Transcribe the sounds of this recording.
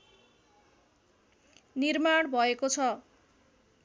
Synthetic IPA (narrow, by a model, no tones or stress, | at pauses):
nirmaɽbʱʌekot͡sʰʌ